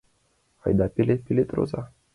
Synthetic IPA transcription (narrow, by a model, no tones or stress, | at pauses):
a̰jd̪apilepilet̪ɾo̰za